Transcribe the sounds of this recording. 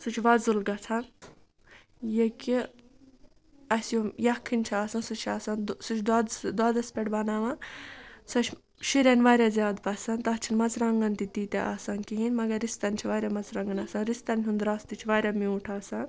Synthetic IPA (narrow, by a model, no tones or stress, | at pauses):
sut͡ʃʰʋɐzulɡɐt͡sʰan | jeki | ɐsjojɐkʰːinʲt͡ʃʰiaːsɐnsut͡ʃʰaːsansut͡ʃʰd̪ad̪d̪ad̪ɐspʲeʈbɐnaːʋãnsɐt͡ʃʰ | ʃiɾʲenʋaːɾʲazʲaːd̪pɐsɐnt̪ɐt͡ʃʰinmɐt͡sʰɾɐŋɡɐnt̪it̪iːt̪eʔa̰saːnkiɦinmɐɡɐɾist̪ɐnʲt͡ʃʰiʋaːɾʲamɐt͡sɾɐŋɡɐnɐsaːnɾist̪ɐnʲɦund̪ɾaːst̪it͡ʃʰiʋaːɾʲamiuʈʰaːsan